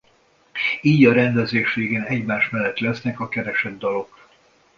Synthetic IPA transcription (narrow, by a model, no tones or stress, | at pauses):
iːɟɒɾɛnd̪ɛzeːʃʋeːɡeːnɛɟmaːʃmɛlːɛt̪lɛsnɛkɒkɛɾɛʃɛd̪ːɒlo̞k